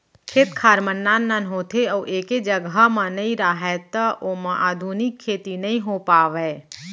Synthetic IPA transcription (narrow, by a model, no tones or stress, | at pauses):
kʰeːt̪kʰaːɾmənːaːnːənɦoːt̪ʰeɔːʔeːked͡ʒəɡəmə̃nɐĩɾaːɦɛt̪əʔomɐ̃ʔaːd̪ʱuːnɪkʰːeːt̪inɐɦĩɦopaːʋɛː